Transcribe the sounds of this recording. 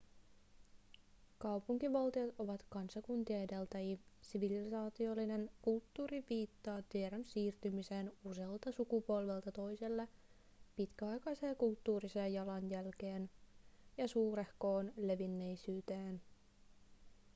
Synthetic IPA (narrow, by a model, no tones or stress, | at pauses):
kɑwpuŋk̟iʋɑlt̪iɑt̪o̞ʋɑt̪kɑnsɑkunt̪iɑede̞lt̪æjisiʋilisɑːt̪io̞lːine̞nkult̪ːuːɾiʋiːt̪ːɑːt̪ieɾonsiːrt̪ymise̞ːnuse̞ːlt̪ɑsukupo̞lʋelt̪ɑt̪o̞jse̞lːe | pit̪k̟æɑjkɑjse̞ːkult̪ːuːɾiseːjːɑlɑnjælk̟e̞ːnjɑsuːɾe̞hko̞ːnle̞ʋinːe̞jsyːt̪eːn